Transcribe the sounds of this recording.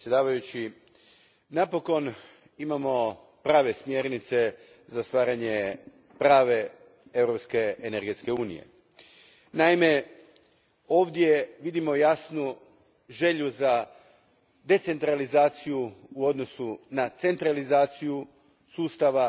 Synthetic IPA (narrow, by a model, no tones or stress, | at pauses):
sʲjed̪aːʋajut͡ɕi | napo̞ko̞n | imamo̞ | pɾaːʋe̞smje̞ɾnit̪se̞ | zast̪ʋaːɾaɲe | pɾaːʋe̞ | e̞vɾo̞pske̞eneɾɡe̞t̪ske̞uːnḭje̞̰ | naime̞ | oːʋd̪je̞ʋid̪imo̞jasnu | ʒe̞ʎuza | d̪e̞t̪se̞nt̪ɾalizaːt̪sijuːo̞d̪no̞sunat̪se̞nt̪ɾalizaːt̪siju | suːst̪aʋa